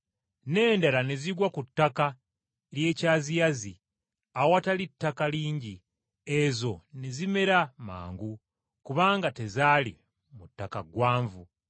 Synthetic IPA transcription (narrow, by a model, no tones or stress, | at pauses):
ne̞ːndalaneziɡwakutːaka | ɾje̞ːcaːzijazi | awatalitːakaliːɲɟi | ezo̞nezime̞ɾama̰ːŋɡu | kuβaːŋɡate̞zaːlḭ | mutːakaɡwaːɱvu